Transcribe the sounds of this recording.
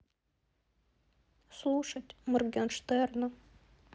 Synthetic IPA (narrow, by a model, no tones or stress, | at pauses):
slˠuʂətʲmɨrɡʲɛnʂt̪ɛrnə